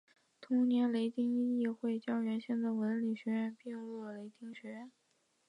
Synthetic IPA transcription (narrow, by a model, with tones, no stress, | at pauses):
t̪ʰʊ˧˥ŋnjɛ˧˥nle˧˥ɪt̪i˥ŋi˥˧i˥˧xwe˥˧ɪt͡ɕjɑ˥˩ʊɥɛ˧˥nɕjɛ˥˧nd̪a˥˩ɪwə˧˥nli˨˩ɕɥɛ˧˥ɻə˥˧npjɛ˥˧ŋlwɔ˥˩le˧˥ɪt̪i˥ŋɕɥɛ˧˥ɻə˥˩n